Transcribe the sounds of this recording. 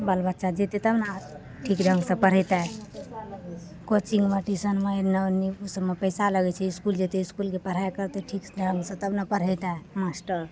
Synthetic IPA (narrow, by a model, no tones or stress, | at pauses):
bəlbət̪ːʃad͡ʒet̪et̪əbna | ʈʰikɖʱəŋɡsə̃pəɽ̤ɛjt̪a | kot͡ʃiŋɡmaʈisənmaenəniusəbmepəjsaləɡɛt͡ʃʰɛiskuld͡ʒet̪eiskulkepəɽ̤ajkəɾt̪eʈʰikɖʱəŋɡsə̃t̪əbnapəɽ̤ɛt̪amasʈəɾ